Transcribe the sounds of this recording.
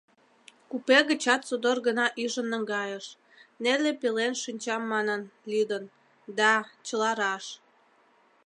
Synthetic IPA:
kupeɣə̆t͡ɕɑt̪sod̪orɣənɑʔyʒənːəŋɡɑjəʃ | nelepelenʃynʲt͡ɕɑmːɑnənlyd̪ən | d̪ɑt͡ɕəlɑɾɑʃ

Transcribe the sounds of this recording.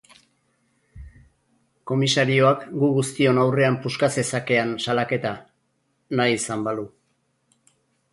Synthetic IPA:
ko̞misaɾio̞akɡuɣust̪io̞nawre̞ampuskat͡se̞sake̞ansalake̞t̪a | najisambalu

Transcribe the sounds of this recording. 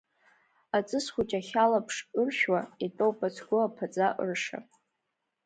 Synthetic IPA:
at͡sʼɨsχʷut͡ʃʼaχʲalapʰʂɨrʃᶣwaitʼowpʼat͡sʰɡʷʊapʰat͡sʼaʔɨ̰rʂa̰

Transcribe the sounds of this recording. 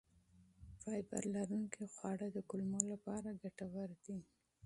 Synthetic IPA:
fɑjba̰ɾlaɾuŋkixwɑɽəd̪əkʊlmolapɑɾaɡaʈawaɾd̪i

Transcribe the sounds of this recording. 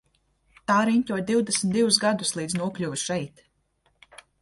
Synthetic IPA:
t̪aːɾiɲʲtʲuɔj̚d̪iwd̪esm̩ʲt̪d̪ivusɡad̪uslˠiːd̪znuɔklʲuvʃɛjt̪

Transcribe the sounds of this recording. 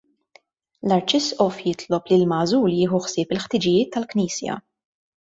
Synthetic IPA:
lɐɾt͡ʃɪsʔɔfjɪt̪lɔplilmɐːzuːljɪːħuħsɪːpɪlħt̪ɪd͡ʒɪjɪːt̪ːɐlkniːsjɐ̰

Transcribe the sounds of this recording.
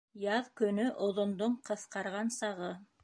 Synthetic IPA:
jɑðkɵ̆nɵʔŏðŏnd̪oɴqɤ̆θqɑɾʁɑnsɑʁɤ

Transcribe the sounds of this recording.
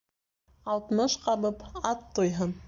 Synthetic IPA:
ɑlˠt̪mɤʃqɑβɤpɑt̪ːujɦɤn

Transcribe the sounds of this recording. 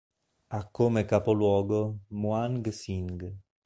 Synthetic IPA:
akʰːomekapolwɔːɡomuaŋɡsiŋɡ

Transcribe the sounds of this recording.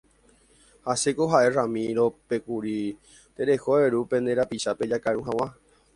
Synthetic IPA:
hasekoɦaʔe̞ramĩɾope̞kuɾi | t̪eɾe̞hoeɾupẽ̞nd̪eɾapiʃape̞d͡ʒakaɾũɦãw̃ã

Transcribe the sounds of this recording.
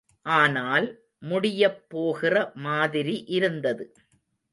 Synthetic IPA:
ʔaːnaːl | mʊɽɪjɐpːoːɣɪrɐmaːðɪɾiʔɪɾɯnd̪ɐðɯ

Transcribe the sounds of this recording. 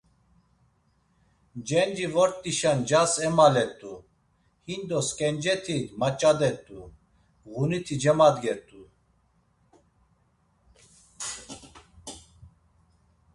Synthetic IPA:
d͡ʒɛnd͡ʒivɔɾt̪ʼiʃand͡ʒasɛmalɛt̪ʼu | hind̪ɔskʼɛnd͡ʒɛt̪ʰid̪mat͡ʃʼad̪ɛt̪ʼu | ɣunit̪ʰid͡ʒɛmad̪ɡɛt̪ʼu

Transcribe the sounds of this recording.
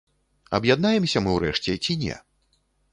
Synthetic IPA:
ɐ̰bjad̪̚najɛmsʲɐmɨwɾɛʂt͡sʲɛt͡sʲinʲɛ̰

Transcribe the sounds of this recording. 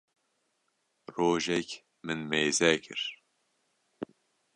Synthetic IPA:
roːʒɛk | mɨnmeːzɛkʰɨ̰ɾ̥

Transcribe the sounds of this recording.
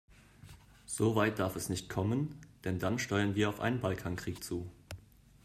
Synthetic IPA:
z̥oːvaɪt̚d̥aɐfɛsnɪçtkʰɔmənd̥ɛndanʃtɔʏɐnviːɐaʊfʔa̰ɪnənbalkʰaŋkʁ̥iːkt͡suː

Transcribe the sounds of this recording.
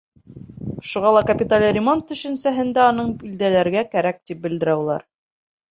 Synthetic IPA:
ʃuʁɑlˠɑkɐpʲit̪alʲɾʲɪmont̪ːɵ̆ʃɘ̆nsæɦɘ̆nd̪æɑnɤɴbild̪ælæɾɡækæɾæk̚t̪ip̚bɘ̆ld̪ɘ̆ɾæulˠɑ̰ɾ

